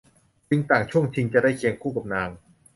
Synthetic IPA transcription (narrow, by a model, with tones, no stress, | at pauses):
t͡ɕi˧ŋt̪aː˨˩ŋt͡ɕʰu˥˩əŋt͡ɕʰi˧ŋt͡ɕa˨˩da˥˩jkʰe˧nkʰuː˥˩ka˨˩p̚naː˧ŋ